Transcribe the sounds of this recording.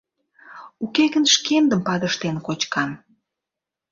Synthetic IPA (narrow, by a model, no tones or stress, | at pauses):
ukeɣənʃkend̪əmpɑd̪əʃt̪enkot͡ɕkɑn